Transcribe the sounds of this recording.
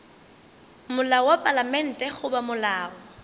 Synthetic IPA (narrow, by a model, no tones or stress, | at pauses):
mʊlaɔwapʼalamɛn̩tʼɛɣʊbamʊlaːɔ